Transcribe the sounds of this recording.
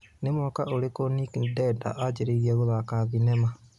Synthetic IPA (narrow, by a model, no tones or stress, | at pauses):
nemwɔkaʔoɾekonikdɛda̰ʔad͡ʒeɾiɣiɛɣoðakaβinɛma